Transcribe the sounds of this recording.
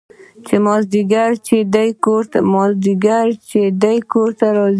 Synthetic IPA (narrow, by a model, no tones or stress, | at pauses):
t͡ʃemɔzd̪iɡaɾt͡ʃed̪ajkoɾt̪mɔzd̪iɡaɾt͡ʃed̪ajkoɾt̪aɾɔz